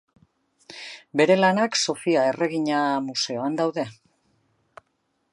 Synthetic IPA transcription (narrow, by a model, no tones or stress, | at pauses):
be̞ɾe̞lanakso̞fiae̞re̞ɣiɲamuse̞o̞and̪awðe̞